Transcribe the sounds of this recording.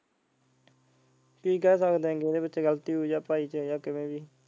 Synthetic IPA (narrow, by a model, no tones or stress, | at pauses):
piːkɛːsəkd̪ẽːɡeːd̪eːbətːʃeːɡəlt̪iːɦoiːd͡ʒaːpaːiːt͡ʃəjaːkɪmẽːbiː